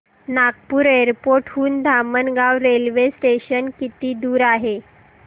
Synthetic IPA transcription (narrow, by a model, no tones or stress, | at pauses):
nakpuːɾeɾpoɾʈɦuːnd̪ʱamənɡaʋɾelʋesʈeɕənkit̪iːd̪uːɾaɦe